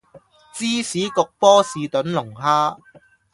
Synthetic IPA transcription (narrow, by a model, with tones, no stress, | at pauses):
t͡siː˥siː˨˥kʊ˨˧k̚pɔː˥siː˨˧t̪ɵ˨˥nlʊ˨˩ŋɦaː˥